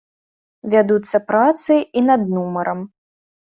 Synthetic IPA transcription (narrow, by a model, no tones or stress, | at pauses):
vʲad̪ut̪sːɐpɾat̪sɨinɐd̪numɐɾʔɐm